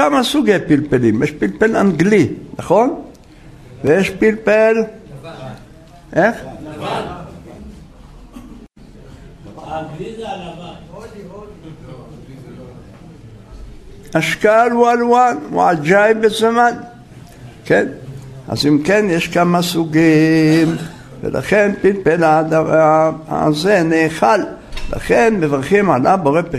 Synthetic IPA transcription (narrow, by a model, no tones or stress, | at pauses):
amasuɡepilpelimjɛʃpilpela̰ŋɡlinaχon | vejeʃpilpel | ʔex | aʃkalualanw̰ad͡ʒajbezaman | kena̰zimke̞njeʃkamasuɡim | vḛlʔa̰χenpilpelada | a̰zeneχal | la̰χe̞nmevaʁχimalaboʁepi